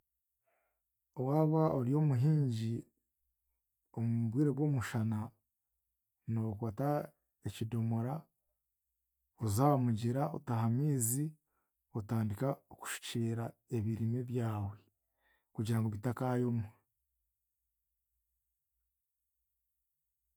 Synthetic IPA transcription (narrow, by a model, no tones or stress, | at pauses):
owaːβaoɾijo̞ːmuɦiːɲɟi | omuβwiːɾeβwo̞ːmuʃana | no̞kwaːta | ecido̞moɾa | ozaːmuɟiɾao̰tahamiːzi | otaːndikaoku̥ʃi̥ciːɾaeβiɾimeβjaːwe | kuɟiɾaŋɡoβitakajo̞mo